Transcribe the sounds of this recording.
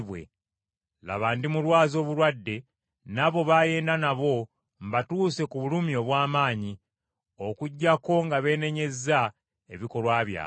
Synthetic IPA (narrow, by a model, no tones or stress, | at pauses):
wḛ | la̰βaːndimulwaːzo̞ːβulwadːe̞ | naβo̞βaje̞ːndanaβo̞ | mbatuːse̞kuβulumio̞ːβwaːmaːɲi | okuɟːako̞ŋɡaβe̞ːne̞ɲe̞za | eβiko̞lwaːβja̰ː